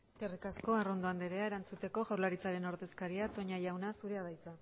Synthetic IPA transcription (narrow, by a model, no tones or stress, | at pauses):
ske̞rikasko̞aro̞nd̪o̞and̪eɾe̞ae̞ɾant͡sut̪e̞ko̞ʝawɾlaɾit͡saɾe̞no̞ɾðe̞skaɾiat̪o̞ɲajawnasuɾe̞aðajt͡sa